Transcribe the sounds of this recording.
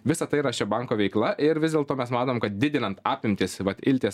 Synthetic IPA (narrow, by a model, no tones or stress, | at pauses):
ʋʲɪsɐt̪ɐɪɾɐt͡ʃʲɛbɑŋkoːʋʲɛɪklˠɐʔɪɾʋʲɪzdʲeːlˠt̪oːmʲɛsmɑːt̪oːmkɐt̪̚d̪ʲɪd̪ʲɪnɐnt̪ɑːpʲɪmʲt̪ʲɪsʋɐt̪ɪlʲt̪ʲeːs